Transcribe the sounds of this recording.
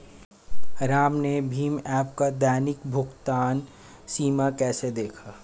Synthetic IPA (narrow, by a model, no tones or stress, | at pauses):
ɾaːmnebʱiːmɛːp̚kad̪ɛːnɪkbʱʊɡt̪aːn | siːmakɛːsed̪eːkʰaː